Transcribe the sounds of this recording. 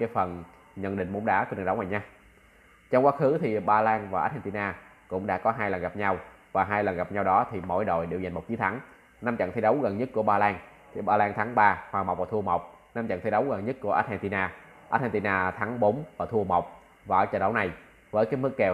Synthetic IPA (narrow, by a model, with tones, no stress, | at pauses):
kaː˨˦jfə˨˩n | ɲə̰˧nɗï˧˨ŋ̟mo̰˧˦nɗa̰ː˧˥kːn˨˩ə˨˦wŋa˨˩ɲaː˧ | t͡ɕɔ˧ŋ͡mkwaː˦˥xɨ˨˦t̪ʰi˨˩ɓaː˧laː˧ŋvaː˨˩ʔaː˦˥t̚hɛ˧nt̪i˧naː˧ | kʊ̰˧˥ŋ͡mɗa̰ː˧˥kɔ˨˦ɦaː˧jlə˨˩nŋɣa˨˩p̚ɲa˧w | vaː˨˩ɦaː˧jlə˨˩nɣa˨˩p̚ɲa˧wɗɔ˨˦t̪ʰi˨˩mo̰˧˥˨jɗo̰˧˨jɗe˨˩wza˨˩jŋmo˨˩k͡p̚t͡ɕi˨˦t̪ʰa˨˦ŋ | na˧mt͡ɕə̰˧˨ŋt̪ʰi˧˦jɗə˨˦wɣə˨˩nɲə˦˥t̚ku˧˩əɓaː˧laː˧ŋt̪ʰi˨˩ɓaː˧laː˧ŋt̪ʰaː˨˦ŋɓaː˧hwaː˨˩m˨˩wk͡p̚vaː˨˩t̪ʰu˧əmə˨˩wk͡p̚na˧mt͡ɕə̰˧˨t̪i˨˧˦ɗə˨˦wɣə˨˩nɲə˦˥t̚ku˧˩ʔaː˦˥t̚ɛ˧nt̪i˧naː˧ | ʔaː˦˥t̚hɛ˧nt̪i˧naː˧t̪ʰa˨˦ŋɓo˨˦nvaː˨˩t̪ʰu˧əmə˨˩wk͡p̚ | vaː˨˩ə˧˨˦t͡ɕɔ̰˧˩ɗə˨˦wna˨˩j | vəː˨˦jkaː˨˦jmɨ˦˥k̚kɛ˨˩